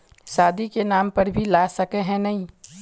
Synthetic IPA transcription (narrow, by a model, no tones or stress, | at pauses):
saːd̪ikenaːmpəɾbʱilasəkeɦɛ̃nɐĩ